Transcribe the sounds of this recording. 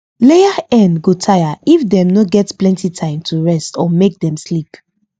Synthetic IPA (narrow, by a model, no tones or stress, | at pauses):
lejaɛ̃nɡotʰajaifdɛ̃mnoɡɛtplɛ̃ntitʰãɪ̃mtʰuɹɛstɔmek̚dɛ̃mslip